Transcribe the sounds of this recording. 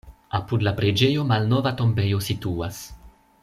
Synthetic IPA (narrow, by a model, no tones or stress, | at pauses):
apud̪lapɾed͡ʒejomalnovat̪ombejosit̪uas